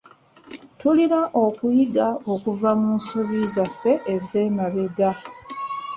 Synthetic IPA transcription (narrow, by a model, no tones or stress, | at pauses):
tuliɾaʔo̞kujiɡao̞kuvamunsoβizafːe̞ʔːze̞ːmaβeɡa